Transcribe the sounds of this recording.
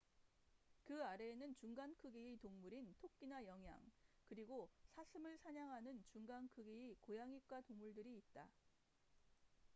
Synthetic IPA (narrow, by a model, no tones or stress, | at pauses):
kɯaɾe̞ːnɯnt͡ɕuŋɡankʰɯɡiːtoŋmuɾintʰok̚k͈inajʌŋɦja̰ŋkɯɾiɡosʰasʰɯmɯɭsʰaɲaŋɦanɯnt͡ɕuŋɡankʰɯɡiːkojaŋik͈watoŋmuɭdɯɾiːt̚t͈a